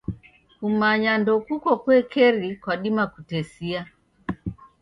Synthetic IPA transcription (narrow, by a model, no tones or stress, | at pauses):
kumaɲandɔkukɔkwɛkɛɾikwaɗimakutɛsia